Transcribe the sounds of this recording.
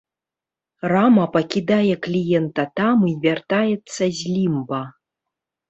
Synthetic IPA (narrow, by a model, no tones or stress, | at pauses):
ramɐpɐkʲid̪ajɛklʲijɛnt̪ɐt̪amivʲart̪ajɛt̪sːɐzʲlʲimbɐ